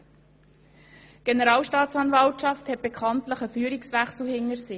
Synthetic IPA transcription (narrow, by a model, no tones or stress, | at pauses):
ɡ̥enəɾɑːlʃtɑːt̪t͡sɑnvɑltʃɑfthɛt̚b̥ekʰɑntləχəfyːɾiksvæχsl̩hɪŋəɾsɪ